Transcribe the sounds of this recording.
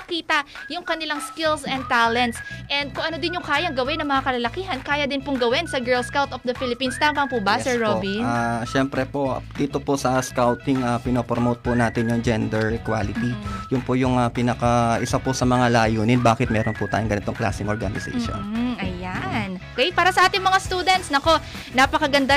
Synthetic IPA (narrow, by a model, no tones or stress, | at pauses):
kiːt̪ɐʔjʊŋkɐnɪlaŋskɪlsɛnd̪̚t̪aːlɛnt̪sʔɛnd̪̚kʊŋʔɐnod̪ɪnjʊŋkaːjɐŋɡɐwɪnɐŋmɐŋakɐlɐlɐkiːɦɐnkaːjɐd̪ɪnpʊŋɡɐwɪnsɐɡɛɹlskawt̪ofd̪ɐfilɪpinst̪aːmpɐŋpubɐɛsɛɹɹobiaʃɛmpɾɛpoʔd̪̥iːt̪oposɐskawt̪ɪŋɐpɪnoːpɾomowt̪̚pʊnaːt̪ɪnjʊŋd͡ʒɛnd̪ɛɹkwa̰ːlɪt̪ijʊnpojʊŋɐpinɐkaʔɪsaposɐmɐŋalajuːnɪnbaːkɪt̪̚mɛːɾonpʊt̪aːjʊŋɡɐnɪt̪o̞ŋkla̰ːsɪŋʔoɾɹɡanɪsɛ̰ʃo̰n̩ʔɐjanokɛpaːɾɐsɐʔaːt̪ɪŋmɐŋast̪uːd̪ɛnt̪snɐko̞ | napɐkɐɡɐnd̪a